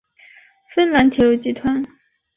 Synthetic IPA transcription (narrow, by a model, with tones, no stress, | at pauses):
fə˥nla˧˥nt̪ʰjɛ˨˥ɻu˥˩t͡ɕi˥˩t̪ʰwa˥n